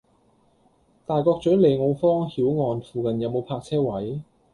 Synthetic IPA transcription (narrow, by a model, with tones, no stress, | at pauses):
t̪aː˨˩jkɔː˧k̚t͡ʃɵ˨˥le˨jŋo˨˧wfɔː˥ŋhiː˨˥wŋɔː˨˧nfuː˨kɐ˨njɐ˨˧wmo˨˧wpʰaː˧k̚t͡sʰɛː˥wɐ˨˥j